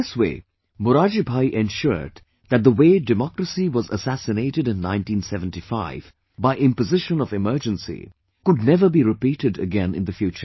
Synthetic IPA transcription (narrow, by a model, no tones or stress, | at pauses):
ɪswḛɪ | mʊɾad͡ʒibʱaiʔɛ̃nʃʊ̰ɹd | ðæt̚ðəweːdɨmɔkɾəsiwʌzə̰sæsɨneɪɾɨɾɨ̃nːãɪ̃ntĩnsɛṽntifaɪv | baɪʔɪ̃mpɨzɪʃə̃nʌvɨmɜ˞d͡ʒə̃nsḭ | kʊd̚ⁿnɛvə˞biɾɪpiːɾɨdə̰ɡɛ̃nɪ̰̃nðəfjuːt͡ʃə